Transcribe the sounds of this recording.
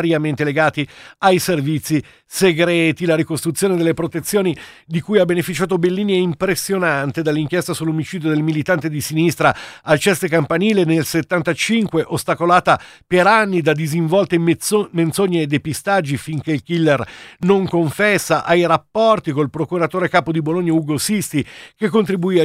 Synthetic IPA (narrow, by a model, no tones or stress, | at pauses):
ɾjament̪eleɡaːt̪iajservit̪sːi | seɡɾɛːt̪ilaɾikost̪ɾut̪sːjoːned̪elːepɾot̪et̪sːjoːni | d̪ikujabenefit͡ʃaːt̪obelːiːniɛimpɾesːjonant̪ed̪alːiŋk̟jɛst̪asulːomit͡ʃiːd̪jod̪elmilit̪ant̪ed̪isinist̪ɾaalt͡ʃɛst̪ekampaniːlenelset̪ːant̪at͡ʃiŋkweʔost̪akolaːt̪apeɾanːid̪ad̪iziɱvɔlt̪ement̪soɲːeːd̪ːepist̪ad͡ʒːifiŋk̟eilkilːɛrnoŋkoɱfɛsːaʔajɾapːɔrt̪ikolpɾokuɾat̪oːɾekaːpod̪iboloɲːauɡosist̪ikekːont̪ɾibuia